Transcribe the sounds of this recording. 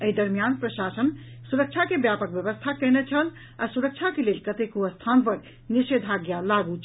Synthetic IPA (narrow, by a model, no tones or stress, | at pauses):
əid̪əɾmijanpɾəʃasənsuɾək̚t͡ʃʰakebjapək̚bjəβəst̪ʰakənet͡ʃʰəl | a̰suɾək̚t͡ʃʰakelelkət̪ekoəst̪ʰanpəɾ | niʃed̪ʱaɡjalaɡut͡ʃʰ